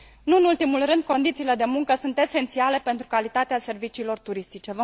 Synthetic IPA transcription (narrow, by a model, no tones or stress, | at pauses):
nuɨnult̪imulrɨnd̪̚ko̞nd̪it̪siːle̞d̪e̞muŋkəsunt̪e̞se̞nt̪siale̞pe̞nt̪ɾukalit̪at̪ease̞rvit͡ʃiːlo̞rt̪uɾist̪it͡ʃe̞və